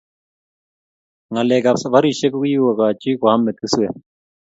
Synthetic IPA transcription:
ŋa˨lɛ˨ka˨sa˨βa˦ɾi˨ʃɛ˦ku˦ku˦ji˦wa˨ka˨t͡ʃi˦ka˨a˦mɛ˨ki˦sɛ˨

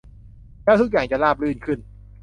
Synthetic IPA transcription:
lɛː˥wt̪ʰu˦˥k̚jaː˨˩ŋt͡ɕa˨˩laː˧˩p̚lɯː˧˩nkʰɯ˧˩n

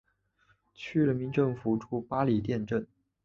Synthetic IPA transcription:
t͡ɕʰy˥ɻə˧˥nmi˧˥nʈ͡ʂɤ˥˩ŋfu˨˧˥ʈ͡ʂʰu˥˩pa˥li˨˩t̪jɛ˥˧nʈ͡ʂə˥˩n

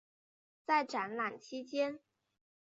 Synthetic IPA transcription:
t͡sa˥˩ɪʈ͡ʂa˨˧˥nla˨˩nt͡ɕʰi˥t͡ɕjɛ˥n

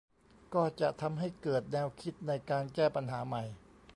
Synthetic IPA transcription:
kɔː˥˩t͡ɕa˨˩ʔt̪ʰa˧mɦa˥˩jkɤː˨˩t̪̚nɛː˧wkʰi˦˥t̪̚na˧jkaː˧nkɛː˥˩pa˧nɦaː˩˦ma˨˩j

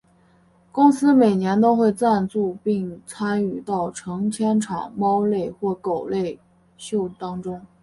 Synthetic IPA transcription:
kʊ˥ŋsɹ̩˥me˨˩ɪnjɛ˧˥nt̪o˥ʊxwe˥˧ɪt͡sa˥˧nt͡su˥˧pi˥˩ŋt͡sʰa˥ny˨˩t̪ɑ˥˩ʊʈ͡ʂʰɤ˧˥ŋt͡ɕʰjɛ˥nʈ͡ʂʰwa̰˨˩˦nmɑ˥ʊle˥˧ɪxwɔ˥˩ko˨˩ʊle˥˧ɪ | ɕjo˥˩ʊt̪ɑ˥ŋʈ͡ʂʊ˥ŋ

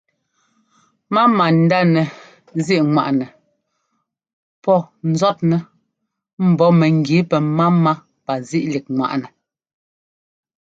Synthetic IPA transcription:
ma˦ma˨n̩˨˦da˦nɛ˨ | zi˦ʔŋwa̰˨ʔnɛ˨ | pɔ˦˨n̩˨zɔ˦t̚nɛ˨ | m̩˨bɔ˨˦mɛ˨ŋ˨ɡi˨˦pɛ˨ma˦ma˦ | pa˨zi˦ʔli˨k̚ŋwa̰˨ʔnɛ˨

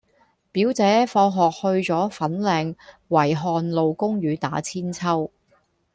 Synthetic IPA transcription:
piː˨˥wt͡sɛː˨˥fɔː˧ɦɔː˨k̚hɵ˧ɥt͡ʃɔː˨˥fɐ˨˥nlɛː˨˧ŋwɐ˨˩jɦɔː˨˧nlo˨˧wkʊ˥ŋɥyː˨˧t̪aː˨˥t͡sʰiː˥nt͡sʰɐ˥w

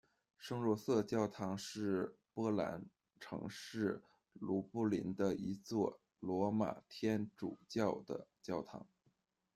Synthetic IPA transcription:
ʂɤ˥ŋlwɔ˧˥sɤ˥˧t͡ɕjɑ˥˩ʊt̪ʰɑ˧˥ŋʂɻ̩˥˩˧ | pwɔ˥la̰˧˥n | ʈ͡ʂʰɤ̰˧˥ŋʂɻ̩˥˩ | lu˧˥pu˥˩lḭ˧˥nd̪ə˧i˧˥t͡swɔ˥˩ | lwɔ˧˥ma̰˨˩t̪ʰjɛ˥nʈ͡ʂu˨˩t͡ɕjɑ˥˩ʊd̪ə̰˩t͡ɕjɑ˥˩ʊt̪ʰɑ̰˧˥ŋ

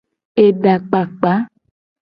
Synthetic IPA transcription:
e˨ɖa˨k͡pa˨k͡pa˨˦

